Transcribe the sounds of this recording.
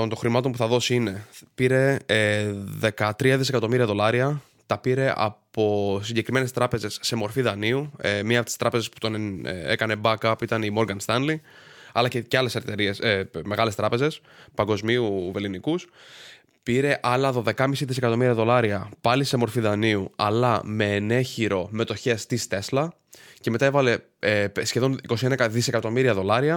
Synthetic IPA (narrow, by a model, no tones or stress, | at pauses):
ont̪o̞xɾimɐt̪o̞mpuθɐðo̞siine̞piɾe̞ | ðe̞kɐt̪ɾiɐðis̬e̞kɐt̪o̞miɾiɐðo̞lɐɾiɐ | t̪ɐpiɾe̞ʔɐ̰po̞siɲɟe̞kɾime̞ne̞st̪ɾɐpe̞ze̞sːe̞mo̞ɾfiðɐniuemiɐpot̪i̥st̪ɾɐpe̞ze̞spu̥t̪o̞n̰ekɐne̞bɐkɐpuit̪ɐnimo̞ɾɡɐnst̪ɐnli | ɐlɐceceɐle̞seɾt̪e̞ɾie̞seme̞ɣɐle̞st̪ɾɐpe̞ze̞s | pɐŋɡo̞zmiuvelinikus | piɾe̞ʔɐlɐðo̞ðe̞kɐmisiðise̞kɐt̪o̞miɾiɐðo̞lɐɾiɐpɐlise̞mo̞ɾfiðɐniuɐ̰lɐme̞ːne̞çiɾo̞me̞t̪o̞çe̞st̪ist̪e̞slɐ | ce̞me̞t̪aevɐle̞ | sçe̞ðo̞niko̞sienɐeðise̞kɐt̪o̞miɾiɐðo̞lɐɾiɐ